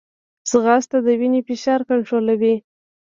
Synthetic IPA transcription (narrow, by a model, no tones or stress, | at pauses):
səɣɑst̪ad̪əwinefeʃɑɾkaɳʈɾolawi